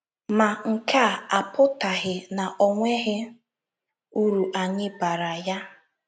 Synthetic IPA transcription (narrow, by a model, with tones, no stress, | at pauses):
ma˨ŋ̩˨ka˦˨a˨pʊ˦ta˨ɣɪ˨na˨ʔɔ˨ŋʷe˦ɦɪ˦ | u˦ɾu˨ʔa˨ɲɪ˦ba˨ɾa˨ja˦